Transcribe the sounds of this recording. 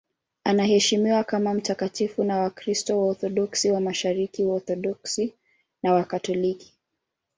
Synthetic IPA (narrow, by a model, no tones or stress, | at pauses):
anahɛʃimiwakamam̩takatifunawakɾistɔwaɔθɔɗɔksiwamaʃaɾikiwaɔθɔɗɔksi | nawakatɔliki̥